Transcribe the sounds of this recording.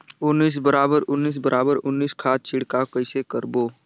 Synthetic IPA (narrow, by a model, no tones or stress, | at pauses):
ʊnːiːs̬bəɾaːbəɾʊnːiːs̬bəɾʔaːbəɾʊnːiːskʰaːt̪̚t͡ʃʰɪɽkakəɪsekəɾboː